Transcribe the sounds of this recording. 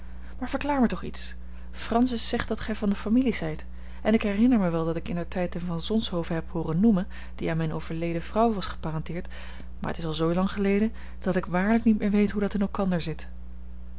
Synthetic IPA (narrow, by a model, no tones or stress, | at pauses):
maːɹv̥əɹklaːɹmətɔχḭts | frɑnsɪsːɛχt̚d̥ɑtχɛjvɑndəfamiliz̥ɛjt | ɛnɪkɦɛrɪnəɹmɛʋɛlˠdɑtɪkɪndətɛjtənvɑnzɔnsɦowvəɦɛphʊːrənːumən | d̥iaːnmɛjnowv̥əɹlejdəv̥rɑwʋɑsχə̥paːrɑntɪːɹt | maːɹə̰tɪsɑlˠzowlɑŋχəlejdə | d̥ɑtɪkʋaːɹləknitmɪːɹʋejtɦudɑtɪnɛlˠkɑndəɹzɪt